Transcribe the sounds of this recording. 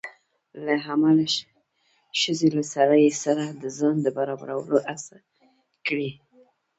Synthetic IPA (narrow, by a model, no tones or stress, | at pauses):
laɦamala | ʃəzelasaɾajsaɾad̪əzɑnd̪əbaɾɑba̰ɾawə̰loʔasa | kɽi